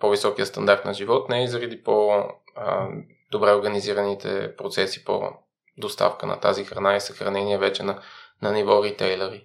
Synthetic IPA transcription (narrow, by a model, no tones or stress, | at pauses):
povisɔkijəst̪ɐnd̪aɾt̪nɐʒivɔt̪nɛizəɾəd̪ipo | d̪̥obɾɛoɾɡəniziɾənit̪ʰɛ̰pɾot̪sɛsi̥po̰ | d̪ost̪a̰fkənɐ̰t̪azixɾɐnaisəxɾɐ̰nɛniɛvɛt͡ʃɛnɐnɐnivɔɾit̪ɛjlˠɛɾi